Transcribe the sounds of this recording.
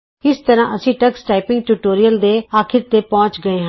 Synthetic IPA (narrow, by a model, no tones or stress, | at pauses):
ɪst̪əɾãːʔəsĩːʈəksʈaːɪpɪ̃ŋɡʈuːʈoːɾijəld̪eːaːkʰɪɾt̪eːpɔ̃ːt͡ʃɡəeːɦãː